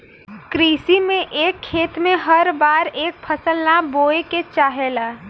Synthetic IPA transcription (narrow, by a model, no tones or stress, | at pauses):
kɾiːsimẽʔeːkʰːeːt̪mẽɦəɾbaːɾeːk̚pʰəsəlnaboːeket͡ʃaːɦelaː